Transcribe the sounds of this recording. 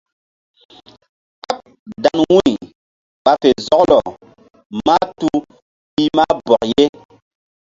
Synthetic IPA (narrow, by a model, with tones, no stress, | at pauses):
ka˦p̚ | da˨nwu˦i˨ | ɓa˨fe˨zɔ˦k̚lɔ˨ | ma˦tu˦ | pi˦ma˦bɔ˨k̚je˦